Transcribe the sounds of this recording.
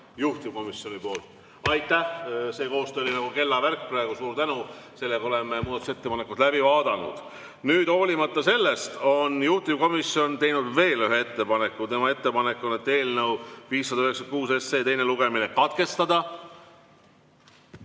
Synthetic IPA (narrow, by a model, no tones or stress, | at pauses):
juht̪imko̞misjo̞nipo̞ːlt̪ | ɑjt̪ˑːæhse̞ːko̞ːst̪øolinɑɡ̥uke̞lːɑværk̚ːˑprɑeɡ̥usuːɾt̪ænuse̞lːekɑo̞le̞memuːd̪ɑt̪use̞t̪ːepɑne̞kːˑut̪læbivɑːd̪̥ɑnṵd̪̥ | nyːd̪o̞ːlʲimɑt̪ːˑɑse̞lːe̞st̪o̞njuht̪imko̞misjo̞nt̪e̞jnud̪ve̞ːlyɦeet̪ːe̞pɑne̞kːˑut̪e̞mɑe̞t̪ːe̞pɑne̞kːonet̪ːe̞ːlnɤwviːsːɑd̪ɑyɦeksɑnkuːse̞sːeːt̪e̞jne̞luɡ̥e̞mine̞kɑt̪ke̞st̪ɑd̪ɑ